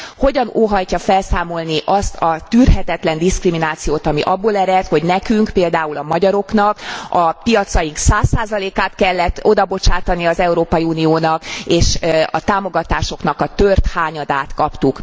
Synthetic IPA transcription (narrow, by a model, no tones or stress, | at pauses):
ho̞ɟɒnoːɦɒjcɒfɛlsaːmo̞lniʔɒst̪ʰɒt̪yrɦɛt̪ɛt̪lɛnd̪iskriminaːt̪sijoːt̪ɒmiʔɒbːoːlɛɾɛt̪ho̞ɟnɛkyŋkpeːld̪aːulɒmɒɟɒɾo̞kn̪ɒkɒpijɒt̪sɒjiŋksaːsːaːzɒleːkaːt̪kɛlːɛt̪ːo̞d̪ɒbo̞t͡ʃaːt̪ɒnijɒzɛuɾoːpɒjiuːnioːnɒkeːʃɒ̰t̪aːmo̞ɡɒt̪aːʃo̞knɒkɒt̪ørt̪haːɲɒd̪aːt̪kɒpt̪uk